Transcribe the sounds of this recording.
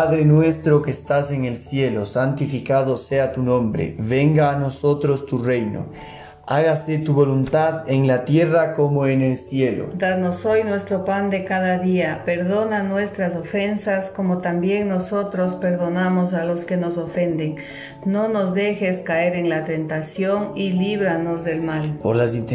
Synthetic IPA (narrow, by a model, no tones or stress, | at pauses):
paðɾenwe̞st̪ɾokeːst̪ase̞ŋe̞lsje̞losant̪ifikaðoseat̪unõ̞mbɾḛβe̞ŋɡaːno̞so̞t̪ɾo̞st̪ure̞jno̰ | aɣaset̪uβo̞lunt̪aðeŋlat̪je̞rakomoenelsje̞lo̰d̪aðno̞so̞jnwest̪ɾopand̪e̞kaðaðiape̞ɾðo̞nanwe̞st̪ɾaso̞fe̞nsasko̞mo̞t̪ambje̞ŋno̞so̞t̪ɾo̞spe̞ɾðo̞namo̞s̬alo̞ske̞no̞so̞fe̞nd̪eŋ | no̞no̞zðe̞xe̞skae̞ɾe̞ŋlat̪e̞nt̪asjo̞ŋiliβɾano̞zðe̞lmalpoɾlasint̪